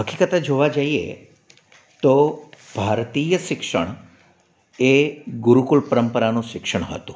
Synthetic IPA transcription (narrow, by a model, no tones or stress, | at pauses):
ɦəkikət̪ad͡ʒoʋad͡ʒaiḛ | t̪ob̥ʱaɾt̪ijəʃɪkʃə̰ɳ̃ | eɡuɾukulpəɾəmpəɾanũʃɪkʃəɳ̃ɦə̰t̪ũ